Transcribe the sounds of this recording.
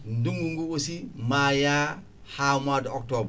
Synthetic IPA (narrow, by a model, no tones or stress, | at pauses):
nduŋɡuŋɡuwosimaja | haːmadok̚tob